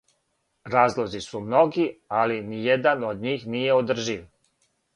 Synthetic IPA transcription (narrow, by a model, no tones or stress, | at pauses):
ɾaːzlˠo̞zisumno̞ɡialinijed̪anod̪ɲiːxnijeod̪r̩ʒiʋ